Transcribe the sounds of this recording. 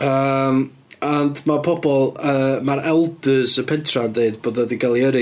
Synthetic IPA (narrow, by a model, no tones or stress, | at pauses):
əːm | andmapʰɔbɔlˠəmaɾɛlˠdəsəpʰɛntʰrandeɨdboːdɔdiɡalˠiəɾɨ